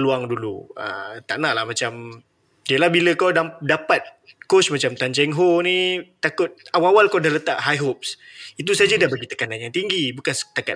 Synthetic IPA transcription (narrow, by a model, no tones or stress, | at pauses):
luaŋdulṵə̰t̪a̰ʔnaʔlahmãt͡ʃam | əlahbiləkawdadapat̪̚ | kot͡ʃmat͡ʃamt̪ant͡ʃɛŋɦonĩt̪akʊt̪̚awaawalkawdahlət̪aʔɦajɦop̚sit̪̬us̬ad͡ʒadahbaɡit̪ə̥kananjaŋt̪iŋɡibukansə̥t̪aka